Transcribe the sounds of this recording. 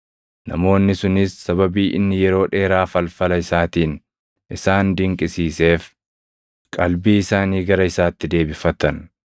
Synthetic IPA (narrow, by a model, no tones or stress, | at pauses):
nɐ̰mo̞ːnːɪsʊnɪsːɐβɐbiːʔɪnːɪjɛɾo̞ːᶑe̞ːɾaːfɐlfɐlɐɪsaːt̪iːn | ʔɪsaːnd̪ɪŋkʼɪsiːse̞ːf | kʼɐlbiːɪsaːniːɡɐɾɐɪsaːt̪ːɪd̪e̞ːbɪfɐt̪ɐn